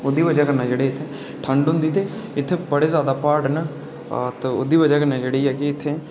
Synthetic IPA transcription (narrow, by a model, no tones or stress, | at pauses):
ʊd̪iːʋəd͡ʒaːkəɾnaːd͡ʒeːɽeːɪt̪ʰːe | ʈʰə̃ɳɖɦʊ̃nd̪iːt̪eɪt̪ʰːeːbəɽeːzjaːd̪aːpaːɾʈːna | t̪ːod̪iːʋəd͡ʒaːkəɾnaːd͡ʒeːɽeiːɛːkɪɪt̪ʰːẽː